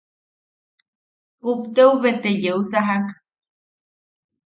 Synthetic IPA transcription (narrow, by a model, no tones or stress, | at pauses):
upt̪euβet̪ejeusaɦak